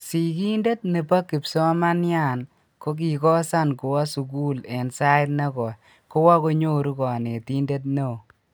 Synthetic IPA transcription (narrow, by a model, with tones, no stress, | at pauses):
si˨ki˦nde˦t̚ne˨pa˦kːi˨psɔ˦ma˦nja˦˨n | ko˦k̬i˨kɔ˦sa˦nko˨wa˦su˨k̬u˦le˨nsa˦ɪ˦tne˦kɔ˨ | ko˦wa˦ko˦ɲo˦ɾu˦kɔ˨ne˨ti˦nde˦t̬̚no˦o˨